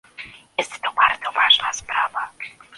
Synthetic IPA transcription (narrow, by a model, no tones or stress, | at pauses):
jɛst̪t̪ɔbaɾd̪zɔvaʐnaspɾava